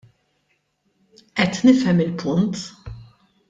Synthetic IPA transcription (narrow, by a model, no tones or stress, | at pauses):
ʔɛt̪nɪfɛmɪlpʰʊnt̪